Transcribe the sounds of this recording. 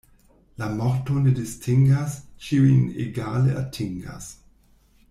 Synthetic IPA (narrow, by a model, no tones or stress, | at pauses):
lamɔɾtonedistʰiŋɡast͡ʃiuinḛɡaːleatʰiŋɡa̰s